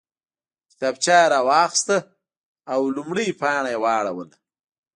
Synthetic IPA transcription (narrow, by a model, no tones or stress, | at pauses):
kɪ̥t̪abt͡ʃɑːɾawɑːxst̪a | awlumɽijpɑːɳajewɑːɽawəla